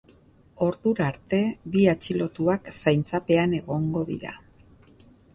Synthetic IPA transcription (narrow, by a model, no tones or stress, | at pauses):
o̞ɾðuɾaɾt̪e̞βiat͡ʃilo̞t̪uaksajnt͡sape̞ane̞ɣ̞o̞ŋɡo̞ðḭɾa̰